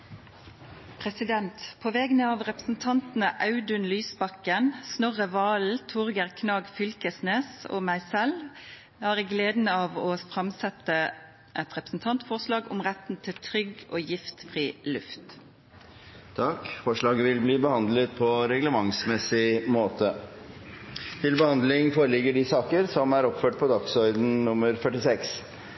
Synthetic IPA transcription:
pʰʁɛsɪd̪ɛnt̪pʰoʋɛɡnəɑːʋʁɛpəsn̩t̪ʰɑnt̪n̩əʔɑʉd̪ʉnlyːsbɑkənsnɔʁəʋɑːl̩t̪ʰʊʁɡəʁkʰnɑːɡfʏlkəsneːso̰ːmæɪsɛl | hæːʁɛɡleːd̪nəɑːʋoːfʁɑmsɛt̪ə | ʔɛt̪ʁɛpɾəsn̩t̪ʰɑnt̪fɔʁʂlɑːɡʊmʁæt̪n̩t̪ʰɪlt̪ʰɾʏɡoːjɪft̪fʁiːlʉft̪ | t̪ʰɑkfɔʂɭɑːɡəʋɪlbliːbəhɑnd̪lət̪pʰɔɾɛɡləmɑŋsmɛsɪmoːt̪ʰə | t̪ʰɪlbəhɑnd̪lɪŋfoːɾəlɪɡːəɖɪsɑːkəɾsɔmæɾɔpføːʈ̚pʰɔd̪ɑksɔʏd̪n̩nʊməɾfœʈɪsɛks

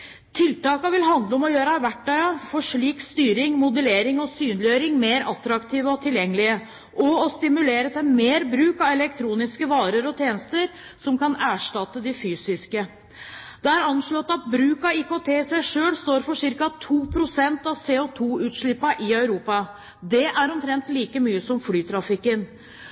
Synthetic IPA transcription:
t̪ʰɪlt̪ɑːkɑʋɪlɦɑnd̪ləɔmɔjøːɾɑʋæʈːœʏɑfɔʂɭiːkst̪yːɾɪŋmʊd̪əleːɾɪŋɔsyːnlɪœʏɾɪŋmeːɾɑt̪ɾɑkt̪ʰiːʋəɔt̪ʰɪljɛŋːəlɪə | ʔɔɔst̪ɪmʉleːɾət̪ʰɛmeːɾbɾʉːkɑʋɛlɛkt̪ʰɾuːnɪskəʋɑːɾəɾɔt̪ʰjeːnəst̪əɾ | sɔmkɑnæːʂʈɑt̪ːəd̪ɪfyːsɪskə | d̪̥ɛæɾɑnʂɭøt̪ːɑt̪̚bɾʉːkɑɪkot̪ʰeːɪsæɪʂøːlst̪oːɾfɔʂɪɾkɑt̪ʰuːpʰɾʊsɛnt̪ɑʋseːɔt̪ʰuːʉːt̪ʂɭɪpːɑʔɪœʉɾuːpɑ | d̪ɛʔæɾɔmt̪ʰɾɛnt̪liːkəmyːəsɔmflyːt̪ʰɾɑfɪkːən

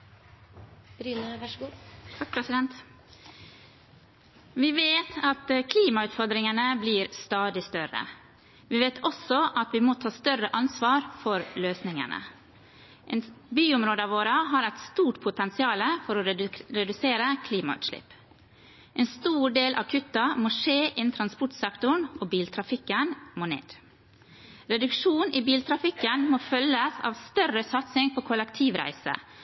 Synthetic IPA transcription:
ɾyːnəʂɡut̪ʰɑk̚pʰɾɛsɪd̪ɛnt̪ | ʋɪʋeːt̪ʰɑt̪kʰliːmɑʉːt̪fɔɾd̪ɾɪŋənəbliːɾst̪ɑːd̪ɪst̪œɾə̰ | ʋiːʋeːt̪ʰɔsɔʔɑt̪ʋimoːt̪ʰɑːst̪œrəʔɑnsʋɑːɾfɔɾløːsnɪŋə̰nə̰ | ʔenbyːʊmɾoːd̪əɑʋoːɾəɦɑːɾæɪt̪st̪uːʈpʰʊt̪ɛnsɪɑːləfɔɾoɾɛd̪ʉseːɾəkʰliːmɑʉ̰ːt̪ʃʂlɪ̰pː | ʔɛːnst̪uːɖeːlʔɑ̰ʋkʰʉt̪ːɑmoːʂeːʔɛnt̪ʰɾɑnspʊʈsɛkt̪ʊɳʔoːbiːlt̪ʰɾɑfɪkːənmoːnḛːd̪̥ | ɾɛd̪ʉkʂuːniːbiːlt̪ʰɾɑfɪkːənmoːfœlːəsɑ̰ːʋst̪œrəsɑt̪sɪŋpʰoːkʰɔlɛkt̪ʰiːʋɾæ̰ɪsə̰

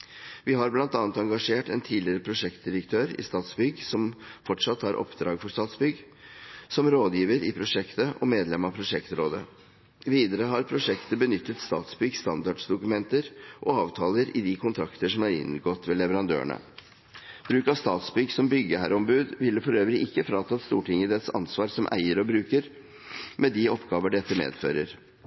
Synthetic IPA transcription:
ʋɪhɑɾblɑnt̪ɑːnət̪ɑŋɡɑʂeːʈɛnt̪ʰiːd̪lɪɾəpʰɾʊʂɛkt̪̚d̪ɪɾəkt̪ʰøːɾɪ̰st̪ɑːt̪sbʏɡsɔmfɔʈʂɑt̪ːhɑɾʔɔ̰pd̪ɾɑ̰ːɡfɔʂt̪ɑːt̪sbʏɡ | sɔmɾoːd̪jiːʋəɾɪpʰɾʊʂɛkt̪əʔɔ̰meːd̪lɛmɑpʰɾʊʂɛkt̪ɾoːd̪ə̰ | ʋiːd̪əɾəɦɑɾpʰɾʊʂɛkt̪əbənʏt̪ːət̪st̪ɑ̰ːt̪sbʏɡst̪ɑnd̪ɑɖsd̪ʊkʉmɛnt̪əɾʔɔɑːʋt̪ʰɑːləɾɪd̪ikʰʊnt̪ʰɾɑkt̪əʂɔmæɾɪ̰nɡɔt̪ʋɛlɛʋəɾɑnd̪ø̰ːə̰ɳə̰ | b̥ɾʉːkɑʋst̪ɑːt̪sbʏɡsɔmbʏɡːəhæɾɔmbʉːd̪ʋɪlːəfɔɾøːʋəɾɪʔɪkːəfɾɑːt̪ʰɑt̪st̪ṵːʈʰɪŋəd̪ɛt̪sɑ̰nsʋɑːɾsɔmʔæ̰ɪəɾɔbɾʉːkəɾ | mɛd̪iɔpːɡɑːʋəɖɛt̪ːəmḛːd̪fø̰ːɾəɾ

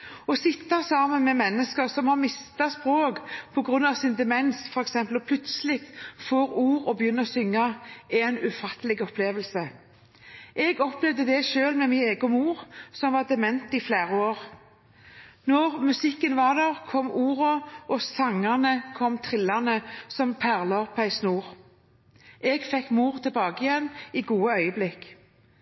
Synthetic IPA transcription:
ɔsɪt̪ːɑsɑːmənmɛmɛnːəskəɾsɔmhɑɾmɪst̪ɑspʁoːkpʰɔɡʁʉnːɑʋsɪnd̪ɛmɛnsfɔɾɛksɛmpəlpʰlʉt̪səlɪk̚t̪foːɾuːʁɔbəjʏnːəɔsʏŋːɑɛnʉfɑt̪ʰːlɪɡɔpʰleːʋəlsə | ʔɛɡɔplɛʋd̪əd̪ɛʃøːlmɛmɪneːɡɔmuːʁsɔmʋɑʁd̪ɛmɛnt̪ɪflæːʁəoːʁ | nɔʁmʉsɪkːənʋɑʁd̪æʁkʰɔmuːʁʊʔɔsɑŋənəkʰɔmt̪ʰʁɪlɑnəsɔmpʰæʁlɑɔpʰæɪsnuːʁ | ʔɛɡfɛkːmuːʁt̪ʰəlbɑːɡəɪjɛnːiːɡuːəœʏəblɪk

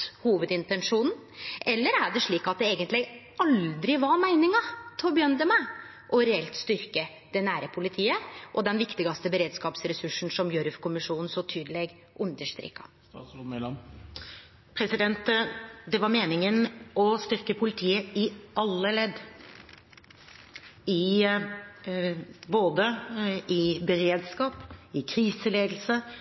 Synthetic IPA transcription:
huːʋəd̪ɪnt̪ɛnʂuːnn̩ | ʔɛlːəɾæɖɛʂɭiːkɑt̪̚d̪ɛeːɡənt̪lɪ | ɑld̪ɾɪʋɑɾmæɪnɪŋɑt̪ʰɪlbəjœnd̪əmæ | ʔɔɾɛɛlt̪st̪ʏɾkə | d̪̥ɛnæːɾəpʰʊlɪt̪ʰiːəʔɔd̪ɛnʋɪkt̪ɪɡɑst̪əbəɾeːd̪skɑːpsɾɛsʉʂn̩sɔmjœɾfkʰʊmɪʂuːnn̩sɔt̪ʰyːd̪əleːɡ | ʔʉnd̪əʂt̪ɾɪ̰kːɑ̥̰ | pʰɾɛsɪd̪ɛnt̪d̪ɛʋɑɾmeːnɪŋənɔst̪ʏɾkəpʰʊlɪt̪ʰiːəɪʔɑlːəlɛd̪ | ɪ | boːd̪əɪbəɾeːd̪skɑːpɪkʰɾiːsəleːɡ̪l̩sə

